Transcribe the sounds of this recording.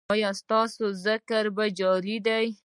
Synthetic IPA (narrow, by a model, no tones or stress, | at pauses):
ɑjɑst̪ɑsozɪkaɾbad͡ʒɑɾid̪aj